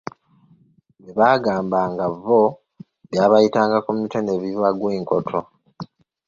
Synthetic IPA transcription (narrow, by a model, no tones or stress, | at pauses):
meβaːɡaːmbaŋɡavo | βjaːβajitaːŋɡakumitoneβiwaɡweːŋkotʰo̞